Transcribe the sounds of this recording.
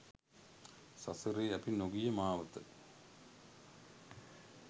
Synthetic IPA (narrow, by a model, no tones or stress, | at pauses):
sɐsɨɾeːɐpinoɡijɐmaːʋɐt̪ɨ